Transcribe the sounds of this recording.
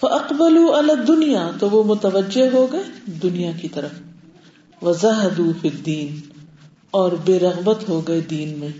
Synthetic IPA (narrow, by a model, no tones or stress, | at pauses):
fɐʔɐqbɐluːɐlaːd̪ːʊnijaːt̪oʋomʊt̪ɐʋəd͡ʒːeɦɦoɡɐed̪ʊnijakit̪ɐɾəf | ʋɐzaɦɐd̪uːfid̪ːiːn | ɔːɾbeːɾɐɣbət̪ɦoɡɐed̪iːnmẽː